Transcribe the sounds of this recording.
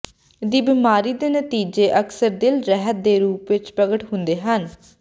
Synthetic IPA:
d̪iːbiːmaːɾiːd̪eːnət̪iːd͡ʒeːʔəksəɾd̪ɪlɾɛɦət̪̚d̪eːɾuːpʋɪt͡ʃpɾəɡəʈɦʊnd̪eːɦən

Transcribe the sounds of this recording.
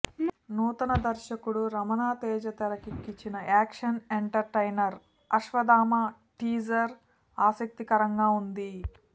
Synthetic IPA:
nuːt̪ɐnɐd̪ɐɾʃɐkuɽuɾɐmɐnaːt̪ɛːd͡ʒɐt̪ɐɾɐkikːit͡ʃːinɐaːkʂɐneɳʈɐɾʈɐjnɐɾ | ɐʃʋɐd̪aːmɐ | ʈiːd͡ʒɐɾ | aːsɐk̚t̪ikɐɾɐŋɡaːund̪i

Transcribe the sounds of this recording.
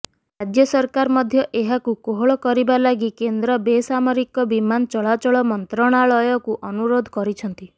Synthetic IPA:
ɾad͡ʒjɔsɔɾkaɾmɔd̪ʱjɔʔeɦakukoɦoɭɔkɔɾibalaɡikend̪ɾɔbesamɔɾikɔbimant͡ʃɔɭat͡ʃɔɭɔmɔnt̪ɾɔɽ̃aɭɔjɔkuʔɔnuɾod̪ʱɔkɔɾit͡ʃʰɔnt̪i

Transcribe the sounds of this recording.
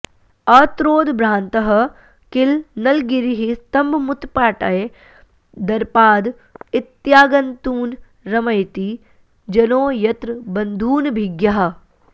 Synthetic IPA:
ɐt̪ɾoːd̪bɾãːnt̪ɐɦ | kɪlnɐlɡɪɾiɦist̪ɐmbʱmʊt̪paːʈɐe | d̪ɐɾpaːd̪ | ɪt̪jaːɡɐnt̪uːn | ɾɐmɐjt̪iː | d͡ʒɐnoːjɐt̪ɾbɐ̃nd̪ʱuːnbʱiɡjaɦ

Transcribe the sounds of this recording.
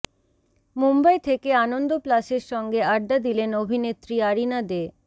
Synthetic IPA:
mumbajt̪ʰekeanond̪oplaʃeɾʃɔŋɡeaɖd̪ad̪ilenobʱinet̪ɾiaɾinad̪e

